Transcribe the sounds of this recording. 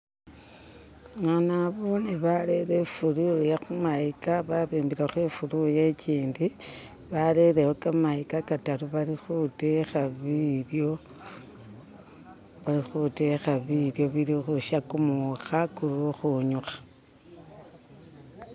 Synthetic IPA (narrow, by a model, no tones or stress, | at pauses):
manaβoniβaleɾefulujaxumaikaβaβeːmbiɾaxwefuɾujeciːndi | βale̞ɾewokamaikakataluβaɾixutexaβiɾjo | βaɾixute̞xaβiljo̞βilixuʃakumuxakuɾuxuɲuxḁ